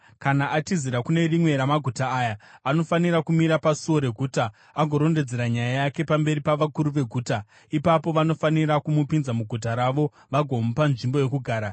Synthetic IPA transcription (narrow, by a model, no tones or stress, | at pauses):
kanaʔatiziɾakune̞rimwe̞ɾamaɡʱutaːjaano̞fanirakumiɾapasuo̞ɾe̞ɡʱuːtaː | ɡʱo̞ɾo̞nde̞d͡ze̞ɾaɲajajake̞pambe̞ɾipaʋakuɾuʋe̞ɡʱuːta | ipapo̞ʋano̞fanirakumupinzamuɡʱut̬aɾaʋo̞ | ʋaɡʱo̞mupanʐimbo̞je̞kuɡʱaːɾa